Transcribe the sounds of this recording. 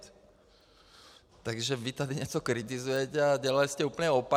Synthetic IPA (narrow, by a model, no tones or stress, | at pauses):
t̪aɡʒɛʋit̪ad̪iɲɛt͡sɔkɾit̪izujɛcɛaɟɛlaliscɛuːplɲɛɔpa